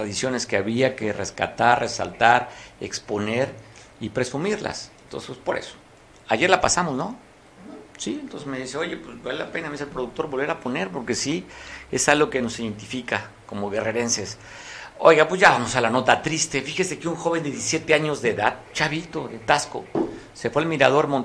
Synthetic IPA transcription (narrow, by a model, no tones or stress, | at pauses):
t̪ɾaðisjo̞ne̞skeaβiake̞re̞ska̰t̪arresa̰lt̪aɾḛkspo̞neɾ | ipɾe̞sumiɾla̰sent̪o̰nsespwespo̞ɾe̞̰so̥ | aʝe̞ɾlapasamo̞zno̞ | sient̪o̞nsezme̞ðiseo̞ʝe̞pwesbalelape̞namiselpɾo̞ðuk̚t̪o̞ɾβo̞lβeɾapo̞ne̞ɾpo̞ɾke̞sie̞salɣo̞ke̞no̞siðe̞nt̪ifika | ko̞mo̞ɣe̞re̞ɾe̞nse̞s | o̞̰jɣapwezʝaβamo̞salano̞t̪at̪ɾist̪e̞fixesekeuŋxo̞βe̞nd̪eðjesisjet̪e̞aɲo̞zðe̞ðaðt͡ʃaβit̪o̞ðe̞t̪asko̞̰ | se̞fwealmiɾað̞o̞ɾmon